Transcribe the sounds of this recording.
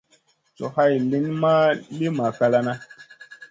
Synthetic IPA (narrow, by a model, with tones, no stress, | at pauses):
so˨ha˦˨jli˦nma˦le˦ma˨ka˦la˦na˦